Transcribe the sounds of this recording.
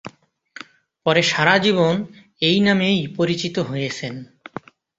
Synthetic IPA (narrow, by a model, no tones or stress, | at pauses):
pɔɾeʃaɾad͡ʑiβon | ejnamejpoɾit͡ɕit̪oɦojet͡ɕʰen